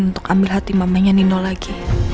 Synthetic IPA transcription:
nunt̪ʊkambɪlɦat̪imamaɲaninɔlaɡi

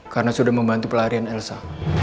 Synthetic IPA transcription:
kaɾənasudahməmbant̪upəlaɾianɛlsa

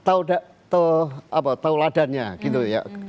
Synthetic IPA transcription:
t̪audaʔ | t̪uapat̪auladanɲaɡit̪uja̰

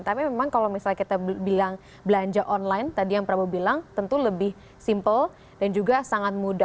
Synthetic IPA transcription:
t̪apimemaŋkalowmisalakit̪abilaŋ | bəlaɲd͡ʒaʔɔnlajnt̪adijaŋpəɾabubilaŋt̪ənt̪uləbɪh | simpəl | d̥and͡ʒuɡasaŋat̪̚muda

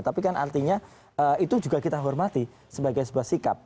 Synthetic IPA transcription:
t̪apikanʔa̰rt̪iɲa | əit̪ud͡ʒuɡakit̪aɦɔrmat̪i | səbaɡajsəbuahsikap̚

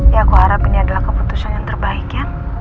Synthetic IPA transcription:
jaːkuhaɾapinaadalahkəput̪usanjaŋt̪ərbaɪkjaŋ

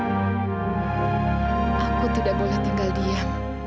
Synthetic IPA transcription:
ʔakut̪idaʔbolɛht̪iŋɡaldia

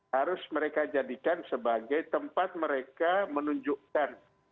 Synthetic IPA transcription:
haɾʊsməɾekad͡ʒadikansəbaɡajt̪əmpat̪̚məɾekamənuɲd͡ʒuʔkan

